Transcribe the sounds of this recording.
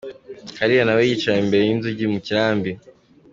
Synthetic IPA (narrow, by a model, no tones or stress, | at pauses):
haɾijanawejit͡ʃaimbe̞ɾejinzuɟimuciɾaːmbi